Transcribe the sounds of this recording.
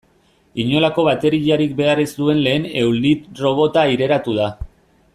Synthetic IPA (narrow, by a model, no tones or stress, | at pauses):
iɲo̞lako̞βat̪e̞ɾiʎaɾik̚be̞arisd̪ue̞nle̞ːne̞wlit̪ro̞β̞o̞t̪aiɾe̞ɾat̪uð̞a